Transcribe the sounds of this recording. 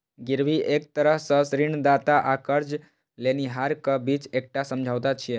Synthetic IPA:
ɡiɾʋiʔek̚t̪əɾəɦsəsɾiɳd̪at̪aʔakəɾd͡ʑ | laniɦaɾkəbiːt͡sek̚ʈasəmd͡ʒʱaʋt̪at̪t͡ʃʰije

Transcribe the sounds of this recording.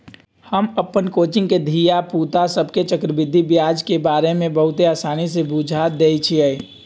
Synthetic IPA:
həməpːənkoːt͡ʃɪ̃ŋɡked̪ʱijapuːt̪asəbʱket͡ʃəkɾəbɪd̪ʱːibjaːd͡ʒkebaːɾemẽbəɦʊt̪eaːsaːnisebud͡ʒʱad̪eːit͡ʃʰiəi

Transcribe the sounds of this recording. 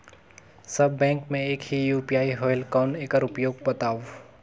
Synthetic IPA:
sɐbːɛ̃ːŋkmẽeːkɦijuːpijaːiɦoːɪlkɔːneːkəɾʊpjoːɡ̚bɐt̪aːwo

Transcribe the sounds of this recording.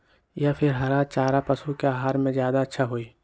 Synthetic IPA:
japʰɪɾɦɐɾat͡ʃaːɾapɐsukeaːɦaːɾmẽzjaːd̪aɐtːʃʰaɦoːiː

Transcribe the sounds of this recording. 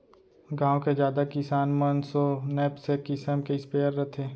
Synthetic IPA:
ɡãːwked͡ʒjaːd̪akɪsaːnmənsonɛːpsekɪsəmkeɪspeːəɾːət̪ʰeː

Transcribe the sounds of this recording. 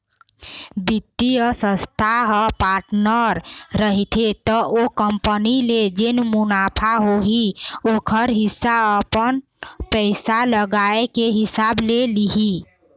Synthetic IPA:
bit̪ːiəsə̃st̪ʰaɦəpaɾʈnəɾːəɦit̪ʰet̪ɔʔokəmpəniled͡ʒenmʊnapʰaɦoɦiokʰəɾɦɪsːaəpən | pəɪsaləɡaekeɦɪsableliɦi

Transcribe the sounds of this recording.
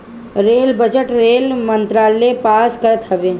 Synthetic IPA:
ɾeːlbəd͡ʒəʈɾeːlmə̃nt̪ɾaːlepaːskəɾət̪ɦɐbeː

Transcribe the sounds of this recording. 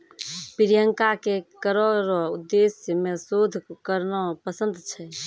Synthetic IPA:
piɾijəŋkakekəɾɔɾud̪ːesjəmesod̪ʱkəɾnɔpəsə̃nd̪t͡ʃʰɛ

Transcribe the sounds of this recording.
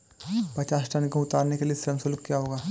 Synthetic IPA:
pɐt͡ʃaːsʈənkoʊt̪aːɾnekeliesɾəmsolʊkkjaɦoːɡaː

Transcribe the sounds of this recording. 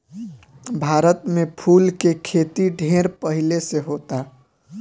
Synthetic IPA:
bʱaːɾət̪mepʰuːlkekʰet̪iɖʱeːɾpəɦileseɦoːt̪a

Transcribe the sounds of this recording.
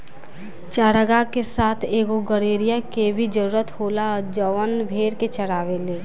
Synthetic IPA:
t͡ʃaːɽəɡakesaːt̪ʰeːɡoɡəɽeːɾijakebʱid͡ʒəɾuːɾət̪hoːlad͡ʒəʋənbʱeːɾket͡ʃəɽaːʋeleː

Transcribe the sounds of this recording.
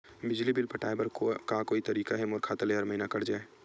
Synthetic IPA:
bɪd͡ʒlibɪlpɐʈʰaːebɐɾkakoːit̪ɐɾiːkaɦɛmoːɾkʰaːt̪əleɦɐɾməɦinakɐɾd͡ʒaːe

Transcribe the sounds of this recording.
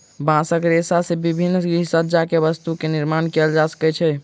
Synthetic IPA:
bãsəkɾesasẽbibʱinːisət̪ːd͡ʒakebəst̪ukeniɾmankɛld͡ʒasə̥kɛt͡ʃʰɛ

